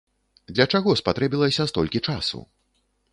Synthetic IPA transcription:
d̪lʲɐt͡ʂaɣɔspat̪ɾɛbʲilˠɐsʲɐst̪ɔlʲkʲit͡ʂasṵ

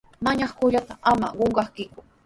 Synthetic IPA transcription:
maɲɑχkʊʎat̪aama̰ɢoɴɢɑχkɪkʊ̥

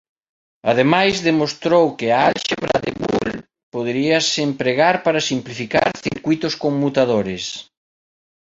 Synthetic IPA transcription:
a̰ðemajzðemost̪ɾowkɪaalʃeβɾa̰ðḛβṵl | poðɾiɐsempɾeɣaɾpaɾasimplifika̰ɾθḭɾkwit̪ʊskoŋmut̪aðoɾɪs

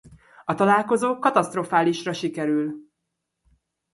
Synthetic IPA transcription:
ɒt̪ɒlaːlko̞zoːkɒt̪ɒst̪rofaːliʃrɒʃikɛɾyl

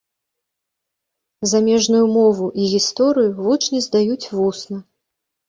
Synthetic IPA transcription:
zamʲɛʐnujumɔvuʔiɣʲist̪ɔɾɨjuvut͡ʂnʲizd̪ajut͡sʲvusnɐ

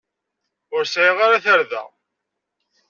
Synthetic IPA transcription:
ʊɾsiʁaɾaθəɾðæ̰

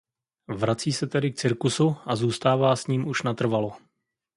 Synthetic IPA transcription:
vɾat͡siːsɛt̪ɛdɪk̚t͡sɪɾkusuʔazuːst̪aːvaːsɲiːmʔuʃnat̪r̩valo̞

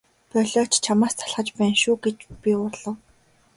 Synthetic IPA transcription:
pɔɮʲɔːt͡ɕt͡ɕʰamaːst̪ʰḁɮχə̆t͡ɕpæːnʃuːɡet͡ɕpʲiʊrɮ̥ə̆w

